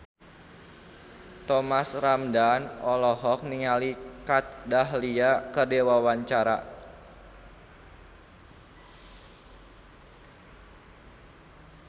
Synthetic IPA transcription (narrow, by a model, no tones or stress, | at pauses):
t̪ɔmasramdanɔlɔɦɔk̚niŋalikat̪̚daɦliakərdewawaɲt͡ʃaɾa̰